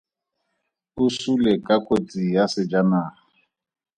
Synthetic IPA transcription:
usulɛkʼakʼot͡sʼijasɪd͡ʒanaː

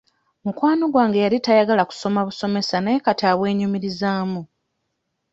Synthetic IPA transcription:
mukwaːno̞ɡwaːŋɡejalitajaɡalaku̥so̞maβuso̞me̞sanajekataːβwe̞ːɲumiɾizaːmu

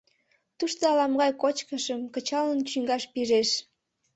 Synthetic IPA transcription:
t̪uʃt̪oɑlɑmɣɑjkot͡ɕkəʃəmkət͡ɕɑlənt͡ɕyŋɡɑʃpiʒeʃ

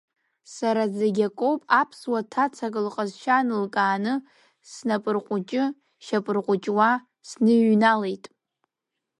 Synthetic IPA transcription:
saɾazaɡʲakʷʼowpʼapʰswatʰat͡sʰakʼɨlqʼazʃanɨlkʼaːnɨ | snapʼɨrqʷʼʊt͡ʃʼɪ | ʃapʼɨrqʷʼʊt͡ʃʼwa | snɨɥnale̞jtʼ

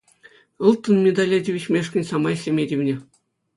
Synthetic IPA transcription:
ɤ̆lˠt̪ːɤ̆nmʲed̪ɑlʲɑdʲeʋʲit͡ɕmʲeʂkʲɘ̆nʲsɑmɑeɕʲlʲemʲedʲiʋʲnʲe

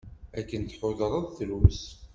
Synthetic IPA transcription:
ækːənt̪ħoðɾˤəðˤθəlws

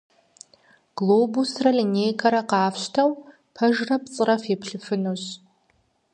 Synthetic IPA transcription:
ɡ̥loːbusrɐɮineːjkʰʼɐɾɐqɑːfɕtʰɐw | pʰɐʒrɐpt͡sʼɨrɐfepɬɨfɨnoɕ

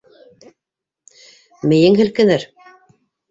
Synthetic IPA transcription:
mɘ̆jɘŋɦɘ̆lkɘ̆nɘɾ

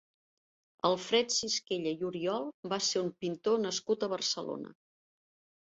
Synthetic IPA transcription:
əlˠfɾɛt̪siskeʎəjuɾiɔlˠbaseumpint̪onəskut̪əβərsəlo̰nə̰

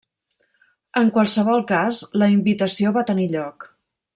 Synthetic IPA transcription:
əŋkwalˠsəβɔlˠkazləimbit̪əsioβat̪əniʎɔk

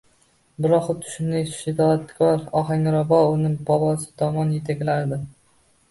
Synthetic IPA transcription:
bɪɾɒqʊt̪ʰʊ̥ʃɪmejsʊ̥ʃɪd̪ɒat̪kʲʰɒɾɒɦaŋɾɒbɒʊnɪŋbɒbɒsɪ̥t̪ʰɒmɒnjet̪ʰakʲlaɾd̪ɪ

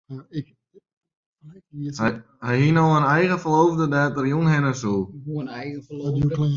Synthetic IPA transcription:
hɛjɦinowənɛjɣəfəloːvdədaːtərjunhɪnəsulɣə

